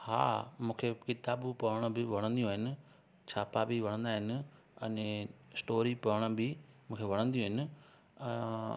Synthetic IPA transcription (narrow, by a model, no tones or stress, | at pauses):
ha̰ːmũːkʰekɪt̪aːbpɐʋəɽ̃əbɪʋɐɽ̃ə̃nd̪ijũːɦɪnɪ̆ | t͡ɕʰaːpaːbiʋɐɽ̃ə̃nd̪aːɦɪnɪ̆ | ɐ̰̃nẽsʈoːɾipɐʋəɽ̃əbɪmũːkʰeʋɐɽ̃ə̃nd̪ijũɦɪnɪ̆̃